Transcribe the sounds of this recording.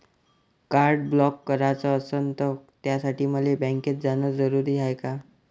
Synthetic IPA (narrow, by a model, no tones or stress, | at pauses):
kaɾɖblɔkːəɾat͡səːsənt̪ət̪jasaʈiːməlebɛ̃ŋket̪̚d͡zanəd͡zəɾuɾiːɦajka